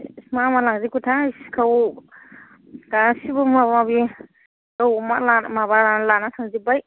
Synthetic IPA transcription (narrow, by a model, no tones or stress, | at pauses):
smamalaŋzikutʰaiskʰaw | kasibɯmabmabi | kawmalamabaɾalanatʰaŋzibaj